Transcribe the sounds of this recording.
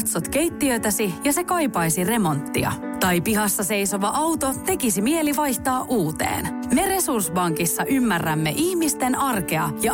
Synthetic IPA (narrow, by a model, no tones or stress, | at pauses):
t̪sot̪k̟e̞jt̪ːiøːt̪æsijɑse̞kɑjpɑjsire̞mo̞nt̪ːḭɑ̰ | t̪ɑjpiɦɑsːɑse̞jso̞ʋɑʔɑwt̪o̞t̪e̞kisimie̞liʋɑjçt̪ɑːʔuːt̪ḛːn | me̞re̞sursbɑŋkisːɑʔymːærːæmːḛʔiçmist̪e̞nɑrke̞ɑ̰jɑ